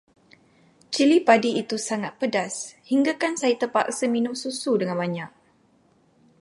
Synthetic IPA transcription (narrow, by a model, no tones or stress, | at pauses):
t͡ʃilipadiit̪usaŋat̪̚pədashiŋɡakansajit̪əpaʔsəminʊmsusudəŋanbaɲak̚